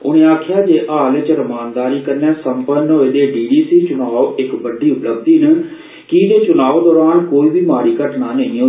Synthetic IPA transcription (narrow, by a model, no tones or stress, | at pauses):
ʊ̰ɽ̃ẽːaːkʰjaːd͡ʒeːʔaːlet͡ʃəɾəmaːnd̪aːɾiːkəɾnjaːsəmpənɦoːeːd̪eːɖiːɖiːsiːt͡ʃʊnaːoːʔɪkbəɖiːʊpləb̚d̪iːnə | kid͡ʒ̪eːt͡ʃʊnaːoːd̪ɔːɾaːnkoːiːbiːmaːɾiːkəʈnaːnəĩːo